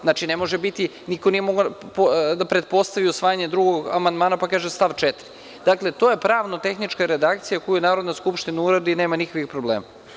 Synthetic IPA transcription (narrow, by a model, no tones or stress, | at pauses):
zat͡ʃine̞mo̞ʒebit̪i | nikonije̞moɡopod̪apɾe̞t̪̚po̞st̪aʋiusʋaːjaɲed̪ɾuɡoɡa̰mand̪maːnapakaːʒemst̪aʋt͡ʃet̪ɾi | d̪akle̞t̪ojepɾaːʋnot̪e̞xnit͡ʃkaɾe̞d̪akt̪sijakojujnaːɾod̪naskupʃt̪inauɾad̪ineːmanixkixpɾobleːma